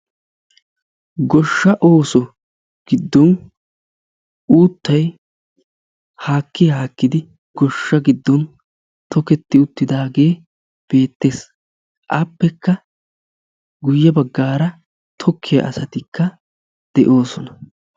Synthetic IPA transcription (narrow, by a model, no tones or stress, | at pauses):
ɡɔʃːɐʔo̞ːsɔ | ɡ̥ɪd̪ːɔn | uːt̪ːɐj | haːkːɪjhaːkːɪd̪ɪ | ɡ̥ɔʃːɐɡɪd̪ːɔn | t̪ʰɔkɛt̪ːɪʊt̪ːɪd̪aːɡe̞ː | b̥e̞ːt̪ːe̞ːs | ʔɐpːɛkːɐ | ɡʊjːɐbɐɡːaːɾɐ | t̪ʰɔkʰːɪjɐ̰ɐsɐt̪ɪkːɐ | d̪̥ɛʔo̞ːsɔnɐ